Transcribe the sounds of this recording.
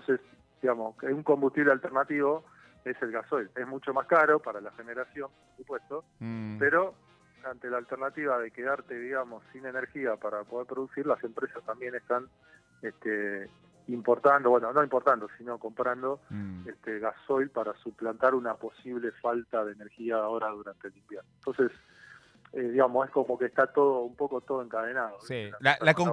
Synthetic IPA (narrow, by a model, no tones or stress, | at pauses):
t̪onses | d̪iɣamosuŋko̞mbust̪iβle̞alt̪eɾrnat̪iβo̞ | e̞se̞lɣaso̞jle̞zmut͡ʃo̞maskaɾo̞paɾalaxeneɾasjo̞mpoɾsupwe̞st̪o̞ | pe̞ɾo̞ | ant̪e̞laːlt̪eɾnat̪iβað̞e̞ke̞ðaɾt̪e̞ðiɣamo̞sːine̞neɾxiapaɾapoð̞eɾpɾoðusiɾlase̞mpɾesast̪ambje̞nest̪an | et̪e | impo̞ɾt̪and̪o̞βwenono̞impo̞ɾt̪and̪osino̞ko̞mpɾand̪o̞est̪eɣaso̞jlpaɾasuplant̪aɾunapo̞siβle̞falt̪aðeːneɾxiao̞ɾaðuɾant̪eːlimbjernoent̪onses | eðiɣamose̞sko̞mo̞keht̪at̪o̞ðoumpo̞ko̞t̪oðoe̞ŋkað̞enaðoaaako